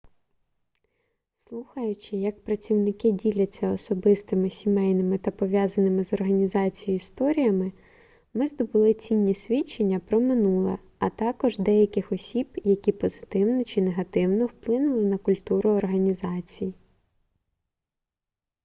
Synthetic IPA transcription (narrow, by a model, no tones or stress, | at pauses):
slˠuxɐjʊt͡ʃɪjɐk̚pɾɐt͡sʲiwnɪkɪdʲilʲɐt͡sʲːɐɔsɔbɪst̪ɪmɪsʲimɛjnɪmɪt̪ɐpɔʋʲjazɐnɪmɪzɔrɦɐnʲizɑt͡sʲijʊist̪ɔɾʲijɐmɪ | mɪzd̪ɔbʊlˠɪt͡sʲinʲːisʲʋʲit͡ʃːenʲːɐpɾɔmɪnulˠɐ̰ | ɐt̪ɑkɔʒd̪ɛjɐkʲɪxɔsʲib̥jɐkʲipɔzɪ̥t̪ɪwnɔt͡ʃineɦɐt̪ɪwnɔwplˠɪnʊlˠɪnɐkʊlʲt̪uɾʊɔrɦɐnʲizɑt͡sʲiji